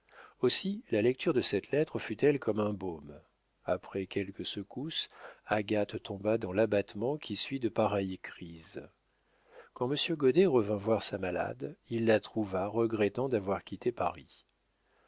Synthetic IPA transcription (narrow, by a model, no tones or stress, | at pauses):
osilalɛk̚t̪ʰyʁd̪əsɛt̪lɛt̪χəfyt̪ɛlkɔmɛ̃bom | apχɛkʲɛlkəsəkusaɡat̪ːɔ̃bad̪ɑ̃labat̪mɑ̃kʲʰisɥid̪əpaʁɛjkχiz | kɑ̃məsjøɡɔd̪eʁəvɛ̃vwaʁsamala̰d̪ilːat̪χuvaʁəɡʁɛt̪ɑ̃d̪avwaʁkʲit̪epaʁi